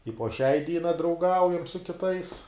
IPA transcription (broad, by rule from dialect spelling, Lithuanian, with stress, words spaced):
ɪ poː ʃʲɛɪ ˈdʲiːnɐ drɐʊˈɡɐʊjɛm sʊ kʲɪˈtɐɪs